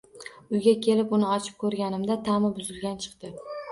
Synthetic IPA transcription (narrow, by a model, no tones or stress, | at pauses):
ʊjɡʲakʲʰe̞lɪpʊnɪɒt͡ʃʰɪ̥p̚kʰɵɾɡʲanɪmd̪at̪ʰamɪbʊzɪlɡʲant͡ʃʰɨ̥qt̪ɪ